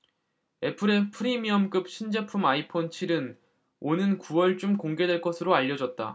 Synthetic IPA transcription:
e̞pʰɯɾe̞pʰɯɾimiʌmk͈ɯp̚ɕ͈ʰind͡ʑepʰumaipʰont͡ɕʰiɾɯn | onɯnkuwʌɭt͡ɕ͈umkoŋɡe̞dwe̞ɭk͈ʌsʰɯɾoaʎːʌd͡ʑʌt̚t͈a̰

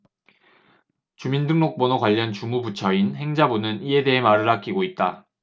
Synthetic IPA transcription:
t͡ɕumindɯŋnok̚p͈onokwaʎːʌnt͡ɕumubut͡ɕʰʌinhe̞ŋd͡ʑabunɯnie̞de̞ɦemaɾɯɭak͈iɡoit̚t͈a

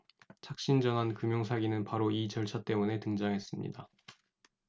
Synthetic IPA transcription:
t͡ɕʰak̚ɕ͈ind͡ʑʌŋankɯmjoŋsʰaɡinɯnpaɾoit͡ɕʌɭt͡ɕʰat͈e̞mune̞tɯŋd͡ʑaŋɦe̞s͈ɯmɲḭda

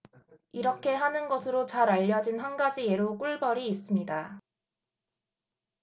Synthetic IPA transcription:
iɾʌkʰe̞ɦanɯnɡʌsʰɯɾot͡ɕaɾaʎːʌd͡ʑinɦanɡad͡ʑie̞ɾok͈uɭbʌɾiːs͈ɯmɲida

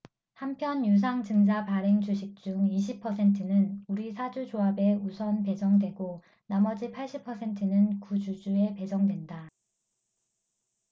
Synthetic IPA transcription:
hampʰjʌnjus̬ʰaŋd͡ʑɯŋd͡ʑapaɾe̞ŋd͡ʑuɕʰik̚t͡ɕ͈uŋiɕ̬ʰipʰʌsʰe̞ntʰɯnɯnuɾisʰad͡ʑud͡ʑoabe̞usʰʌnpe̞d͡ʑʌŋdwe̞ɡo | namʌd͡ʑipʰaɭɕ͈ʰipʰʌsʰe̞ntʰɯnɯnkud͡ʑud͡ʑue̞pe̞d͡ʑʌŋdwe̞nda

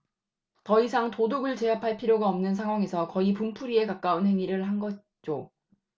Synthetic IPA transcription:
tʌisʰaŋtodoɡɯɭt͡ɕe̞ɦapʰaɭpʰiɾjoɡaʌmnɯns̬ʰaŋɦwaŋe̞sʰʌkʌipumpʰuɾie̞kak͈aunhe̞ŋiɾɯɭhanɡʌ | t͡ɕ͈o

